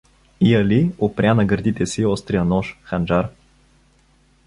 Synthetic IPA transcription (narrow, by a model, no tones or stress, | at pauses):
iɐliopɾʲanɐɡəɾd̪it̪ɛsiɔst̪ɾijənɔʃxand͡ʒaɾ